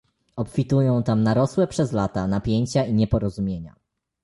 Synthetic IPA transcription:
ɔpfʲit̪ujɔ̃w̃t̪amnaɾɔswɛpʂɛzlat̪anapʲjeɲt͡ɕaiɲɛpɔɾɔzumʲjeɲa̰

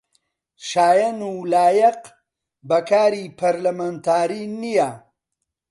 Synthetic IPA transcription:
ʃaːjɐnuːlaːjɐq | bɐkʰaːɾipʰɐɾlɐmant̪ʰaːɾiːnija

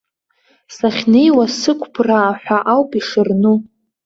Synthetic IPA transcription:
saχʲnejwasɨkʷʰpʰraːħʷᶣaʔawpʼiʂɨrnu

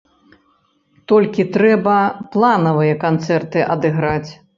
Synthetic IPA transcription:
t̪ɔlʲkʲit̪ɾɛbɐplˠanɐvɨjɐkant̪sɛrt̪ɨʔɐd̪ɨɣɾat͡sʲ

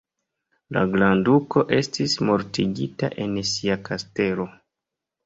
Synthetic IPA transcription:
la̰ɡlanduko̞ʔe̞stismo̞ɾtiɡita̰ʔe̞nsiakʰaste̞lo̞

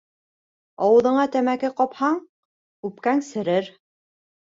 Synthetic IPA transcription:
ɑwɤ̆ðɤ̆ɴɑt̪æmækɘqɑphɑɴ | kʉp̚kæŋsɘ̆ɾɘɾ

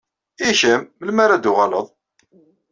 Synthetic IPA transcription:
içəmːəlmaɾad̪uʁɑləðˤ

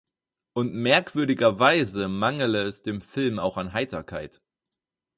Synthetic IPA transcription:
ʔʊntmɛɐkv̥ʏɐɾɪɡɐvaɪzəmaŋl̩əɛsd̥eːmfɪlmaʊxanɦaɪtɐkʰa̰ɪt

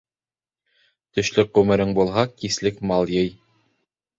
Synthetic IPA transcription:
t̪ɵ̆ʃlɘʉmɘ̆ɾɘŋbulˠɦɑkislɘkmɑlˠjɤj

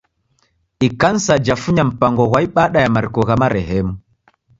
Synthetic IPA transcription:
ikansad͡ʒafuɲam̩paŋɡɔɣwaiɓaɗajamaɾkɔɣamaɾɛɦɛmu

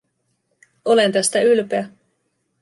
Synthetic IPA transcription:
o̞le̞nt̪æst̪æylpeæ

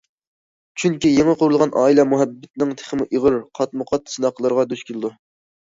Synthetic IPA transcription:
t͡ʃʰyŋkʲijeŋəqʊɾulˠʁɑnʔɑːilˠɛmuɦɛbːɪt̪̚nɪŋt̪ʰe̥χəmuʔiʁəɾqʰɑt̪mʊqʰɑt̪sɨnɑqʰəlˠɨɾʁɑd̪yʃkʲʰelˠɨd̪u

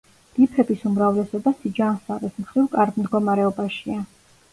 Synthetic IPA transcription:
d̪̥ipʰɛbisumɾavlɛsɔbasid͡ʒansaʁɛsmχɾivkʼaɾd̪md̪ɡɔmaɾɛɔbaʃia

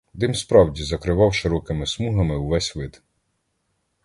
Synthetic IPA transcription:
d̪ɪmspɾɑwdʲizɐkɾɪʋɑwʃɪɾɔkɪmɪsmuɦɐmɪwʋɛsʲʋɪd̪

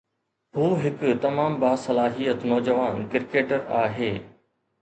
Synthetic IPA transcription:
ɦuːɦɪkt̪ɐmaːmbaːsɐlaːɦijət̪nɔːd͡ʑəʋaːnkɪɾkeːʈəɾaːɦeː

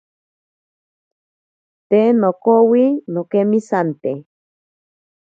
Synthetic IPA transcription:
t̪enokowinokemisant̪e

